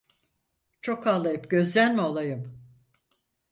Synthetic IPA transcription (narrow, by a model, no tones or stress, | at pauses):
t͡ʃʰo̞kʰaːlˠːajɯpɟø̞zlʲænmiolˠajɯm